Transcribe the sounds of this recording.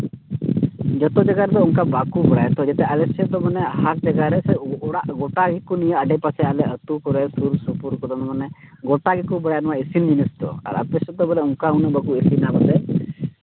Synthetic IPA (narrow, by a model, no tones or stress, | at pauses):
d͡ʒɔt̪ɔd͡ʒaɡaɾɛt̪ɔuŋkabakubɛɽajt̪ɔd͡ʒɛt̪ɛalɛsɛd̪ɔmanɛaɦasd͡ʒaɡaɾɛsɛɽaɡɔʈaɡikunijəəɖɛpasɛalɛət̪ukɔɾɛsuɾsupuɾkɔd̪ɔnmanɛɡɔʈaɡikubɛɽajnwaesind͡ʒinist̪ɔ̰a̰ɾa̰pɛsɔt̪ɔbɛlɛuŋkaunɛbakuesinabɔt̪ɛ